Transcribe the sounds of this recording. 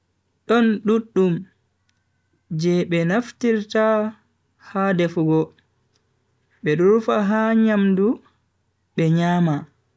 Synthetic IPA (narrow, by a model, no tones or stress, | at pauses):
ɗɔnɗuɗːum | d͡ʒɛɓɛnaftiɾta | hadɛfuɡɔ | ɓɛɗuɾfaɦaɲamdu | ɓɛɲaːma